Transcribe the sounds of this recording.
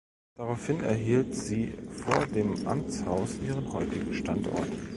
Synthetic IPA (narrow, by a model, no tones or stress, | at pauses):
d̥aʁaʊfhɪnɛ̰ɐɦiːltz̥iːfoːɐdeːmʔa̰mt͡shaʊsʔiːʁ̞ənhɔʏtɪɡŋ̩ʃtantɔ̰ɐt